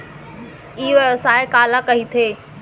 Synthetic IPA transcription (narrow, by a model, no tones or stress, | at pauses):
iːʋɐsaːekaːlakɐɦit̪ʰeː